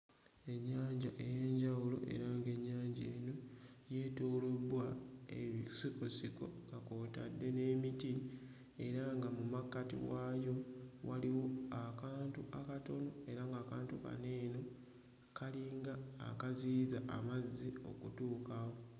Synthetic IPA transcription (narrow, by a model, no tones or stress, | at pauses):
e̞ɲːaːɲɟaʔe̞je̞ːɲɟawulo̞̰ʔe̞̰ɾaŋɡe̞ɲːaːɲɟeːno̞je̞ːtoːlo̞bwaḛβisikosiko̞̰ŋɡako̞ːta̰dːe̞ne̞ːmiti | e̞ɾaŋɡamumakːatḭwajo̞waliwo̞akaːntuʔakato̞no̞e̞ɾaŋɡaːkaːntuka̰ne̞ːno̞ | kʰaliŋɡa̰ːkaziːzaʔa̰mazːio̞̰kutuːkawo̞